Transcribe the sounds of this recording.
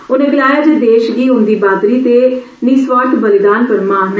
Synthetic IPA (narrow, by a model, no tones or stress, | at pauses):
ʊnẽːbɪlaːjaːd͡ʒed̪eːʃɡiːɦʊ̃nd̪iːbaːd̪ɾiːt̪eː | niːsʋaːʈ̪bəlɪd̪aːnpəɾmaːɦn